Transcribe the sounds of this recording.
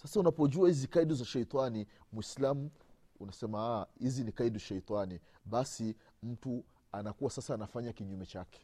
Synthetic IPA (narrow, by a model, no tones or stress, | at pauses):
sasaunapɔʄuahizikaiɗuzaʃɛjt̪animwislamu | unasɛmaahizinikaiduʃɛjt̪ani | ɓasi | m̩tu | anakuwasasaːnafaɲakiɲumɛt͡ʃakɛ̥